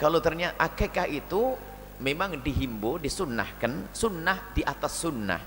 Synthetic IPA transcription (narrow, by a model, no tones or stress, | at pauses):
kalot̪ərɲaʔakekahit̪u | memaŋdiɦimbodisunːa̰hkansunːahdiʔat̪asːunːa̰h